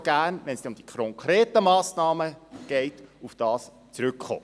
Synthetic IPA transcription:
ɡ̥æːrnʋɛnsʊmd̥ikʰɾɔŋkɾɛːtəmɑːsnɑːməɡ̥ɛɪtufd̥ɑːs | t͡sɾʏkχo̰

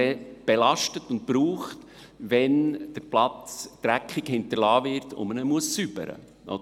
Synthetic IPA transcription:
ɛb̥ɛlɑʃtətʊnt̚pɾuːχt | ʋɛnd̥əɾplɑt͡st̪ɾækχikhɪntəɾlɑːvɪɾtʊ̰mənəmuəssybə̰ɾə̰ | ʔɔ̰

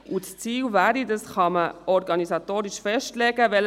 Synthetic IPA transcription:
ʔut͡st͡siːlvæːɾidɑsχɑməɔɾɡɑnisɑt̪oːɾɪʃfɛʃtlɛɡ̥əʋɛl

